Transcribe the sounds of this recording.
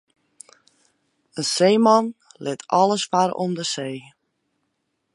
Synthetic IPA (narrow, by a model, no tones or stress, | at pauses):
ənseːmɑn | lɪtʰɔlˠəsfaɾo̰mdəseː